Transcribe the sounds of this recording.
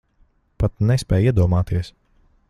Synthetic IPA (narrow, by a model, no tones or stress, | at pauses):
pat̪nɛspʲɛːjiɛd̪uɔmaːt̪iɛs